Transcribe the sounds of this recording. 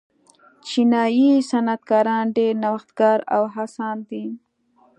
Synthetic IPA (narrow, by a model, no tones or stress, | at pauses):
t͡ʃinɑjisanad̪̚kɑɾɑnɖeɾnawaxt̪ɡɑːɾa̰wɦasɑnd̪i